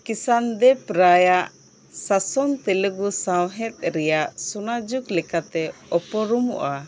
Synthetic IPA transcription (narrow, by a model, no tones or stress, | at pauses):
kisand̪ɛpɾajaʔ | sasɔŋt̪ɛləɡusawɦɛt̪̚ɾɛjaʔsunad͡ʒuklɛkat̪ɛɔpɔɾumɔ̰ʔa